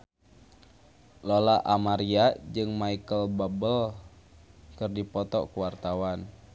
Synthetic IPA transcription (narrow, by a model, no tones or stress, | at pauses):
lɔlaʔamaɾiad͡ʒɨŋmaikəlbabəl | kɨrdipɔt̪ɔ̰kuwart̪awan